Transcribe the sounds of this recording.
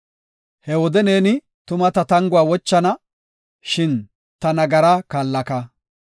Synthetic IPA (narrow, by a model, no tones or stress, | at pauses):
hɛwɔd̪ɛne̞ːnɪ | t̪ʊmɐt̪ɐt̪ɐŋɡʊwaːwɔt͡ʃːɐnɐ | ʃɪn | t̪ɐnɐɡɐɾɐkaːlːɐkɐ